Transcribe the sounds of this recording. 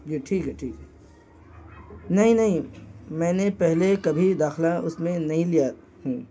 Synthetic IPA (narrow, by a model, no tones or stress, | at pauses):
jeʈʰiːkɦɛʈʰiːkɦɛ | nɐɦĩnɐɦĩmɛ̃ːnepɛɦlekɐbʱid̪aːxlaʊsmẽnɐɦĩlija | ɦũː